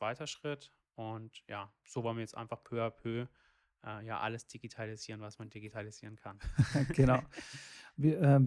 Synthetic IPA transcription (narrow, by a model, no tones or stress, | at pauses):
t͡sv̥aɪtɐʃʁ̥ɪt | ʔʊntjaːz̥oːvɔlnmaiɐjɛt͡sʔa̰ɪnfaχpʰøːapʰøː | ʔɛːja̰ːʔa̰ləsd̥iɡitʰaliziːʁənvasmandiɡitʰaliziːʁənkʰanɡ̥ənaʊ | viːʔɛːm